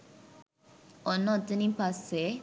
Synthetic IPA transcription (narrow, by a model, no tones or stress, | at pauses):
ɔnːot̪ːɐnipase